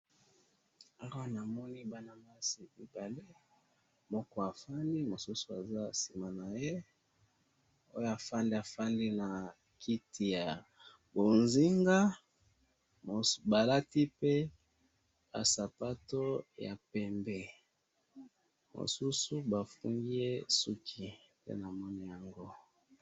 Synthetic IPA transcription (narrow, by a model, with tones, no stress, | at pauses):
a˦wa˦na˨mɔ˦ni˦ba˦na˨ma˦si˨i˨ba˨le˦ | mɔ˦kɔ˦a˨fa˦ndi˦mo˨su˦su˨˦a˨za˦si˨ma˨na˨je˦ | o˦jo˦a˨fa˦ndi˦a˨fa˦ndi˦na˨ | ki˦tʰi˨ja˨ | bo˨nzi˦ŋɡa˦ | o˨ba˨la˦ti˦pe˦ | ba̰˨sa˨pa˦to˦ja̰˨pɛ˨mbɛ˦ | mo̰˨su˦su˦ba˨fṵ˦ŋɡi˦je˦su˦kʰi˨ | tḛ˦na˨mɔ˦ni˦ja˨ŋɡo˦